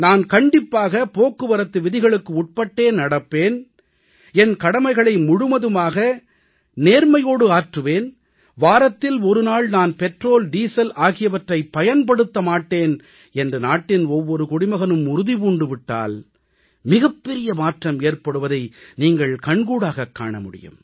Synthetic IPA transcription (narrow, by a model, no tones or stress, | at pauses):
naːnkɐɳɖɪpːaːɣɐpoːkːɯʋɐɾɐt̪ːɯʋɪðɪɣɐɭɯkːɯʊʈ̚pɐʈːeːnnɐɽɐpːeːn | ɛnkɐɽɐmɐɪɣɐɭɐɪmʊɽɯmɐðɯmaːɣɐ | neːɾmɐjoːɽɯaːʈrɯʋeːn | ʋaːɾɐt̪ːɪlɔɾɯnaːɭnaːnpɛʈroːlɖiːsɐlaːɣɪjɐʋɐʈrɐɪpːɐjɐnpɐɽɯt̪ːɐmaːʈːeːn | ɛndrɯnaːʈːɪnɔʋːɔɾɯkʊɽɪmɐɣɐnɯmʊɾʊðipuːɳɖɯʋɪʈːa̰ːl | mɪɣɐpːɛɾɪjɐmaːʈrɐmeːrpɐɽɯʋɐðɐɪniːŋɡɐɭkɐɳɡuːɽaːɣɐkːa̰ːɳɐmʊɽɪ̰jɯ̰m